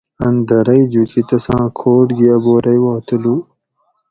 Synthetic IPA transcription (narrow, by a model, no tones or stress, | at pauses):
ɐnd̪ɐɾɐjd͡ʑukit̪ɐsãːkʰoːʈɡiɐboːɾɐjwɑːt̪əlu